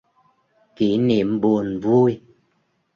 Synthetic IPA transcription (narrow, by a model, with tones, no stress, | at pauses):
ki˨˦ne˨m̩˦bo˦˨n˨vu˦i˦